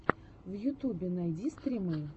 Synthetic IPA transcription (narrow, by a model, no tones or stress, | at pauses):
vjʊt̪ubʲɪnajdʲist̪ɾʲimɨ